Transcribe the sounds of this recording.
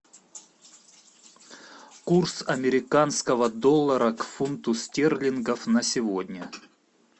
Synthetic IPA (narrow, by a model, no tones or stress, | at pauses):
kursɐmʲɪɾʲɪkanskəvəd̪olˠːəɾəkfunt̪ʊstʲerlʲɪnɡəfnəsʲɪvodʲnʲə